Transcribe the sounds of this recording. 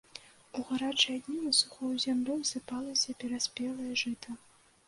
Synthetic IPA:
uɣaɾat͡ʂɨad̪ʲnʲinɐsuxɔwzʲamlʲɔwsɨpalˠɐsʲɐpʲɛɾasʲpʲɛlˠɐjɐʐɨt̪ɐ

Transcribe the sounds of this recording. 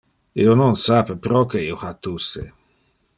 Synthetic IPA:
ḭononsapepɾɔkeioxat̪ːuse

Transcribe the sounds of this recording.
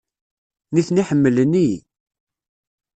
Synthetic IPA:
niθniħəmːələni

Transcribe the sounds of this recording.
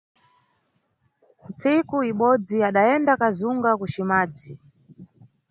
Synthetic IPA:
nt͡sikuiɓɔd͡ziaɗaɛndakazuŋɡakuʃimaːd͡zi

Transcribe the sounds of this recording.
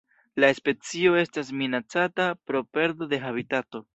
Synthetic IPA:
laespe̞t͡sio̞e̞stas̬minat͡satapɾo̞pe̞ɾdo̞de̞ɦaβitato̞

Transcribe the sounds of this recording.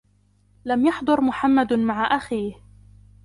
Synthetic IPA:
lamjɑħd̪ˤʊɾmʊħamːad̪maʕaʔaxiːh

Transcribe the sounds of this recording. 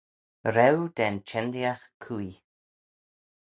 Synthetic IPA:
ɾɛwd̪̥ɛnt͡ʃɛnd̪jaxkʰui

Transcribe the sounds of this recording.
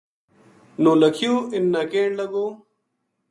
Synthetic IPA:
nõːləkʰijoːɪnːakeːɳlɐɡoː

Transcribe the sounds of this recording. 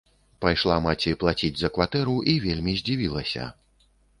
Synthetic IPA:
pajʂlˠamat͡sʲiplˠat͡sʲid͡zʲzɐkvat̪ɛɾuʔivʲelʲmʲizʲd͡zʲivʲilˠɐsʲɐ̰

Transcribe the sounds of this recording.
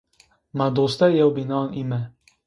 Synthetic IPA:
mad̪ost̪ɛjɛwbinɑnimɛ

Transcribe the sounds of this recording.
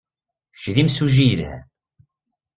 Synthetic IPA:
ʃðimsuʒijəlhæ̰

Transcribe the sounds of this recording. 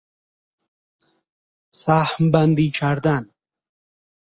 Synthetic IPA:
saːhmband̪it͡ʃʰaɾd̪an

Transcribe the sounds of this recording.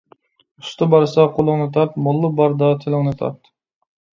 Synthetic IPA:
ust̪ʰɨbɑɾsɑqʰolˠʊŋnɨt̪ʰɑɾt̪̚molˠːɨbɑɾd̪ɑt̪ʰɪlˠɨŋnɨt̪ʰɑ̰ɾt̪

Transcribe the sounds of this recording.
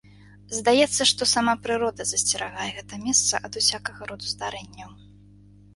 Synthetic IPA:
zd̪ajɛt̪sːɐʂt̪ɔsamapɾɨɾɔd̪ɐzɐsʲt͡sʲɛɾaɣajɛɣɛt̪ɐmʲɛst̪sɐ̰ʔɐd̪usʲakɐɣɐɾɔd̪uzd̪aɾɛnʲːɐw

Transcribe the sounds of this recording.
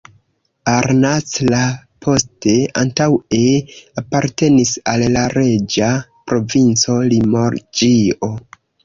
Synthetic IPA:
aɾnaslapʰo̞ste̞a̰ntaweapaɾte̞nisalːaɾe̞d͡ʒapɾo̞vint͡so̞limo̞ɾd͡ʒio̞

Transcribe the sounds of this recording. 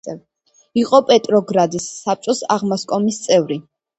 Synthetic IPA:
iqʼɔpʼɛt̪ʼɾɔɡɾad̪isːap̚t͡ʃʼɔsaʁmaskʼɔmist̪sʼɛvɾi

